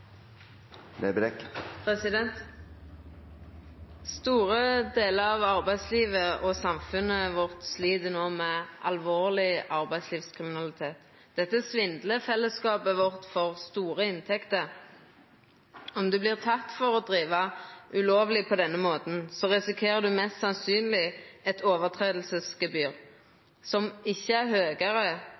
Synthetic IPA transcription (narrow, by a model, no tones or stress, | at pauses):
nebd̪ɛkpʰʁɛsɪd̪ɛnt̪ | st̪uːʁəd̪eːləɾɑʋɑʁbæɪd̪sliːʋəʔɔsɑmfʉnːəʋʊʁt̪sliːd̪ənoːmɛʔɑlʋoːʁlɪɑʁbæɪd̪sliːfskʰʁɪmɪnɑlɪt̪ʰeːt̪ | d̪̥ɛt̪ːəsʋɪnd̪ləfɛlːəskɑːpəʋʊʁt̪fɔʁst̪uːɾəɪnt̪ʰɛkt̪əɾ | ɔmd̪ʉblɪʁt̪ʰɑt̪ːfɔʁɔd̪ʁiːʋɑʉloːʋlɪpʰɔd̪ɛnːəmoːt̪n̩sɔʁɛsɪkʰeːʁəd̪ʉmɛst̪sɑnsyːnlɪɛt̪ʰoːʋəʁt̪ʰʁeːd̪l̩səsɡəbyːʁ | sɔmɪçːəæɾhøːɡəʁə